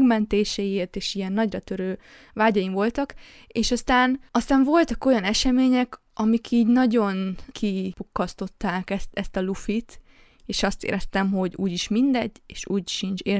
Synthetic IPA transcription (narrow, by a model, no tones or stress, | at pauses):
ɡmɛnt̪eːʃɛjieːrt̪eːʃijɛnːɒɟrɒt̪øɾøː | vaːɟɒjimvo̞lt̪ɒk | eːʃɒst̪aːnɒst̪aːɱvo̞lt̪ɒko̞jɒnɛʃɛmeːɲɛk | ɒmikʰiːɟnɒɟo̞nkʰipukːɒst̪o̞t̪ːaːkɛst̪ɛst̪ɒlufit̪ | eːʃɒst̪ḛːɾʔɛst̪ɛmɦo̞ɟuːɟiʃmind̪ɛɟːeːʃuːɟʃint͡ʃeː